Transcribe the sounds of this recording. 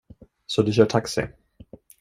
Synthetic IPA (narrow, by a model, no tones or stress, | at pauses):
sɔd̪ɛɕœːʈʰaksɪ̰